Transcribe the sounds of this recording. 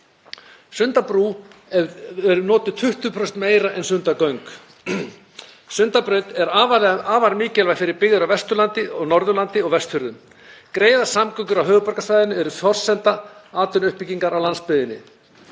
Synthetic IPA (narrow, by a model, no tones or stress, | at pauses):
sʏnt̪apɾuː | ɛɾʏnɔːt̪ʏt̪ʰʏht̪ʏpʰɾɔsɛnt̪meːjɾaʔɛnsʏnt̪akœɥŋk | sʏnt̪apɾœːɥt̪ɛɾavaaːvaɾmɪːcɛlvafɪɾɪɾpɪɣðʏɾawvɛst̪ʏlant̪ɪɔɣnɔɾðʏlant̪ɪɔɣvɛst̪fʏɾðʏm | kɾeːjðasamkœŋkʏɾawɦœːɣʏpaɾkasaːjðɪnːʏɛɾʏθɔr̥sɛnt̪aaːt̪ʏnʏhpiciŋkaɾawlanspʏðɪnːɪ̰